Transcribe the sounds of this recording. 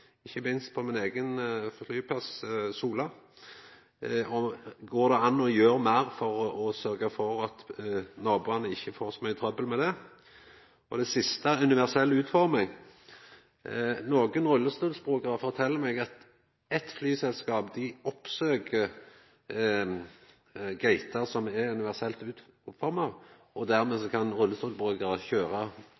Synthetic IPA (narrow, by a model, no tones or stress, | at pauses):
ɪçəmɪnst̪̚pʰɔmɪneːɡənfɔflyːpʰɑssuːlə | ɔɡoːd̪ɛɑnːɔjøːɾmæɾfɔʁɔsœɾɡəfɔɾɑt̪nɑːbʉːɑnəɪçːəfoːɾsɔmœʏt̪ʰɾœbəlmɛd̪ɛ | ɔd̪ɛsɪst̪əæʉnɪʋæʁsɛlːʉːt̪fɔɾmɪɡ | noːɡənɾʊlːəst̪uːlsbʁʉːkɑɾəfɔɾt̪ʰɛlːəɾmɛɡɑt̪ | ɛt̪flyːsɛlskɑːpd̪ɪɔpsøːkəɾ | ɡæɪt̪ɑɾsɔmɛʉnɪʋæʁsɛlt̪ʉːt̪ | fɔɾmɑʋʔɔd̪æɾmɛːsɔkʰɑnɾʊlːəst̪uːlsbʁʉːkɑʁəçøːɾɑ